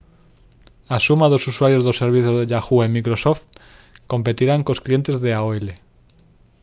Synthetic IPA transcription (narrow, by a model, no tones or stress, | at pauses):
asumaðosuswaɾjo̞zðosːeɾβ̞iθjozðeʎaxuemikɾosoft̪ | ko̞mpe̞t̪iɾaŋkosklie̞nt̪e̞zðeaoele